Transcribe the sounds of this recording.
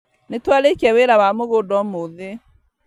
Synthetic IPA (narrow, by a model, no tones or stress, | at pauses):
netwalekiɛweɾawamoɣodɔmoðe